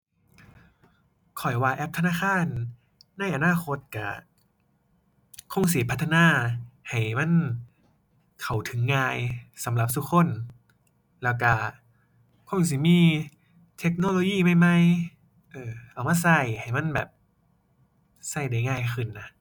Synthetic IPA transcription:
kʰɔ˨˩jwaː˧ʔɛ˧˥p̚t̪ʰa˧naː˧˥˨xʰaː˧˥˨nː | a˧˥˩jʔa˧naː˧˥˨xʰo˧˥t̪̚ka˧˩ | kʰo˧˥˨ŋs̬i˨˦pʰt̪ʰːa˧naː˧˥˩ha˨˩jma˧˥˨n | kʰa˨˩wt̪ʰɯ˨˦ŋːaː˧jsa˨˦mla˧˦p̚t̪ʰu˦kʰo˧˥˨n | lɛː˧˩wka˧˩ | kʰo˧˥˩ŋs̬i˧˦miː˧˥˨ | t̪ʰe˧˥k̚noː˧˨lo˧˦jiː˧˥˨ma˧˩jma˧˨j | ʔɤː˧˩ʔa˨˩wmaː˧˥˨sa˧˩jha˨˩jma˧˥˨nbɛ̰ː˨˩p̚ | sa˧˩jda˨˩jŋaː˧˩jxʰɯ˧˩nːa˧˦

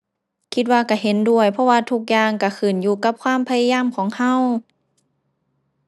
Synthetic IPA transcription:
kʰi˧t̪̚waː˧ka˧˩ɦe˨˦ndu˧˩əjpʰɔ˧waː˧t̪ʰu˧k̚jaː˧ŋka˧˩kʰɯː˨˩njuː˧ka˧˥p̚kʰwaː˧˥˨mpʰa˧ja˧jaː˧˥˨mkʰɔː˨˩˦ŋha˧˥˨w

